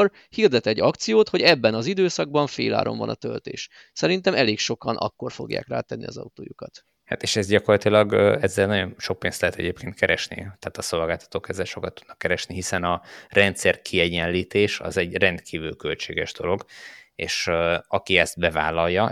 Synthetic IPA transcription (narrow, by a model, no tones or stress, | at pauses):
r | hird̪ɛt̪ɛɟːɒkt̪sijoːt̪ho̞ɟɛbːɛnɒzid̪øːsɒɡ̚bɒɱfeːla̰ːɾʔo̞̰ɱvɒ̰nɒ̰t̪ølt̪ḛːʃ | sɛɾint̪ɛmɛleːkʃo̞kɒnʔɒ̰kːo̞rfo̞ɡja̰ːkraːt̪ɛnːḭɒzɒ̰ut̪o̰ːjukɒt̪ | ha̰t̪eːʃɛzɟɒkorlɒt̪ilɒɡɛzːɛlnɒɟo̞nʃo̞k̚peːnst̪lɛɦɛt̪ɛɟeːpkʰeːnt̪kɛɾɛʃnḭt̪ɛːt̪ɒso̞lɡaːlt̪ɒ̥t̪oːkɛzːɛlʃo̞kɒt̪ːud̪nɒkːɛɾɛʃniɦisɛnɒrɛnt̪sɛrkʰiɛɟɛnliːt̪eːʃɒ̰zɛɟrɛnt̪kʰiːvylkølt͡ʃeːɡɛʒd̪o̞lo̞ɡ | eːʃɒkiɛz̥t̪bɛvaːlɒljːɒ